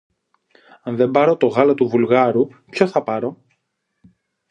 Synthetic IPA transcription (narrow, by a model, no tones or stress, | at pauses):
ɐnðe̞mbɐɾo̞t̪o̞ɣɐlot̪uvulɣɐɾupço̞θɐpɐɾo̞